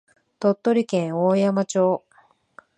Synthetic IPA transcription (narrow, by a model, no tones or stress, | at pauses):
t̪o̞t̪ːo̞ɾʲikẽɰ̃oːjamat͡ɕo̞ː